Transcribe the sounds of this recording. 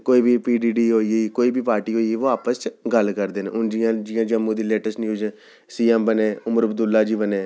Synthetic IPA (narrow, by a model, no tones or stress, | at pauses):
koːiːbʱiːpiːɖiːɖiːɦoːieːkoːiːbiːpaːɾʈiːɦoːieːʋoːaːpəst͡ʃɡəlkəɾd̪eːnḛːʔʊnd͡ʒijãːd͡ʒɪjãːd͡ʒəmːũːd̪iːleːʈəsnĩːd͡ʒə | siːɛmbəneːʊməɾəbd̪ʊlːaːd͡ʒiːbəneː